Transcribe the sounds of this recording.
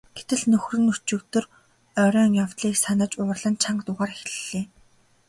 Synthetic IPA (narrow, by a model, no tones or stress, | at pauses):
ɡ̥et̪ɘ̆ɮnɵxrɵ̆nɵr̥t͡ɕɵ̆kt̪ɵ̆r | œɾʲœːŋjawt̪ɮiːksanə̆t͡ɕʊːrɮə̆nt͡ɕʰaɴkt̪ʊʁaːɾx̆ɮɮeː